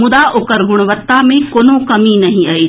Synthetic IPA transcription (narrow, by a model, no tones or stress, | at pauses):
mʊd̪aʔokəɾɡʊɽ̃ʋət̪ːamẽkoːnõkɐminɐɦĩai